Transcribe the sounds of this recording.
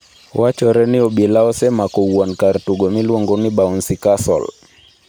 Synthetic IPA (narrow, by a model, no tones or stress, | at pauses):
wat͡ʃɔɾɛniɔɓilaɔsɛmakɔwwankaɾtuɡɔmilwɔŋɡɔniɓaɔnsikasɔ̰l